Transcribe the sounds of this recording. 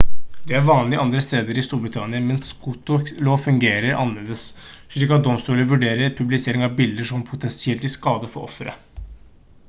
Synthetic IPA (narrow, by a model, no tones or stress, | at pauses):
d̪ɛæɾʋɑːnlɪəɑnd̪ɾəst̪eːd̪əɾɪst̪uːɾbɾɪt̪ʰɑnɪəmɛnskut̪ʊloːʋfʉŋɡeːɾəɾɑ̰nəleːd̪əs | ʂɭiːkːɑt̪̚d̪ɔmst̪uːləʋʉɖeːɾəɾpʰʉblɪseːɾɪŋɑʋbɪld̪əʂɔmpʰʊt̪ʰɛnsɪɛlt̪ɪskɑːd̪əfɔɔ̰fɾə̰